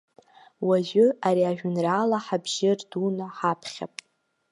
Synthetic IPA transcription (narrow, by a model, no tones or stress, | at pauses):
waʒʷᶣʊaɾiaʒᶣʊnraːlaħabʒɪrdunaħapʰχʲa̰pʼ